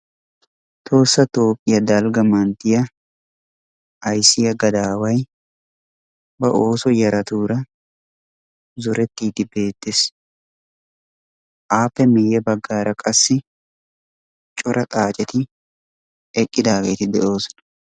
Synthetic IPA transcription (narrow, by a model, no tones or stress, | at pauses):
t̪ʰo̞ːsːɐt̪o̞ːpʼːɪjɐd̪aːlɡɐmɐnt̪ɪjɐ | jsɪjɐɡɐd̪aːwɐj | bɐʔo̞ːsɔjɐɾɐt̪uːɾɐ | zʊɾɛt̪ːiːd̪ɪbe̞ːt̪ːɪs | ʔaːpːɛmeːjɐbɐɡːaːɾɐkʼɐsːɪ | t͡ʃʼɔɾɐt̪ʼaːt͡ʃʼɛt̪ɪ | ɛkʼːɪd̪aːkeːt̪ɪd̪ɛʔo̞ːsn